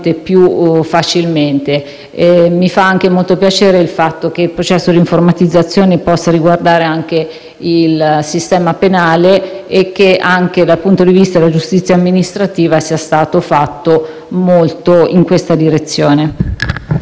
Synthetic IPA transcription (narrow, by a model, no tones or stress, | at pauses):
t̪epjufat͡ʃilment̪e | mifaaŋk̟emolt̪opjat͡ʃeːɾeilfat̪ːok̟eilpɾot͡ʃɛsːod̪iɱformat̪id̪zːat̪sːjoːnepɔsːaɾiɡward̪aːɾeaŋk̟e | ilsist̪ɛːmapenaːleek̟ːeaŋk̟ed̪alpunt̪od̪ivist̪ad̪elad͡ʒust̪it̪sːjaːmːinist̪ɾat̪iːvasiːast̪aːt̪ofat̪ːo | molt̪oiŋkwest̪ad̪iɾet̪sːjoːne